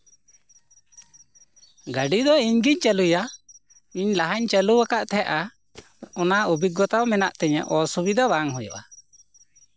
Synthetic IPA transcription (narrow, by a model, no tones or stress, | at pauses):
ɡaɖid̪ɔiɲɡiɲt͡ʃəluja | iɲlaɦaɲt͡ʃəluakaʔt̪ʰɛaʔa | ɔnaubit̪̚ɡɔt̪awmɛnaʔt̪ɛɲɛ̰ʔɔsubid̪abaŋɦɔjɔ̰ʔa